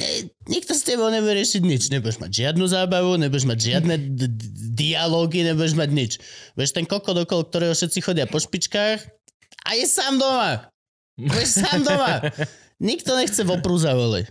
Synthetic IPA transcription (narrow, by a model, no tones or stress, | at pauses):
ɛ̰ | ɲik̚t̪ɔscɛbɔʊɲɛbujɛɾɪɛʃiɟɲit͡ʃɲɛbujɛʒma̰ɟʒɪad̪nuzaːbaʋuɲɛbujɛʒmaɟʒɪad̪nɛ | d̪ialɔːɡiɲɛbujɛʒmaɟɲit͡ʃʋɛʃt̪ɛŋkɔkɔd̪ɔkɔlɔk̚t̪ɔɾɛːɦɔʃɛt̪t͡sixɔɟɪapɔʃpit͡ʃkaːx | ʔa̰jɛsaːmd̪ɔma | ɔjɛsaːmd̪ɔma | ɲikt̪ɔɲɛxt͡sɛʋɔpɾuzaʋɔlḭc